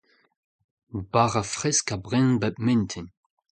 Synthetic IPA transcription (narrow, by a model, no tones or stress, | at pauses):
baʁafʁɛskabʁɛ̃nbɛp̚mɛ̃nt̪ʰin